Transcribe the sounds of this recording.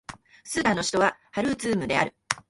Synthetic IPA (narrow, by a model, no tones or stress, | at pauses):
sɨd̪anoɕi̥t̪o̞βahaɾɯ̟zɨːmɯ̟d̪e̞aɾɯ̟